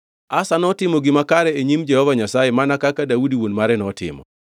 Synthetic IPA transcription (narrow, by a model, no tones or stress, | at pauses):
asanɔtɪmɔɡɪmakaɾɛeɲimd͡ʒɛhɔvaɲasajemanakakadaudiwonmaɾɛnɔtɪ̰mɔ̰